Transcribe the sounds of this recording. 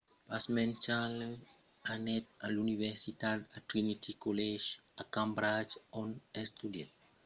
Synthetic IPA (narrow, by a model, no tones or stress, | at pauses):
pasmɛ̃nt͡ʃal | anɛt̪̚alunivɛɾsit̪ad̪at̪ɾinit̪ʰikolɛd͡ʒakãmbɾad͡ʒɔnɛst̪udɛt